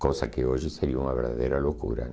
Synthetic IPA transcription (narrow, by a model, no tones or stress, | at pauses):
kosakeoʒɪseɾiuŋaβeɾða̰ðḛɾalokṵɾɐ̰